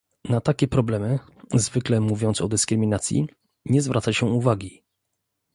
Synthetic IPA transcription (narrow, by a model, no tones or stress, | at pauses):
nat̪akʲɛpɾɔblɛmɘ | zvɘklɛmuvʲjɔnt̪sɔd̪ɘskɾɘmʲinat̪sʲjḭ | ɲɛzvɾat̪saɕɛuvaɡʲi